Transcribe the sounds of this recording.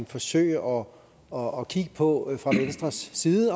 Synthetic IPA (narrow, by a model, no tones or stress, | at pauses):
nfɒ̽sø̰ɪʔɒ̽ | ɒːkʰiɡ̥əpʰɒ̽fʁɑ̈ʋen̰sd̥ʁɐsːiːðˠə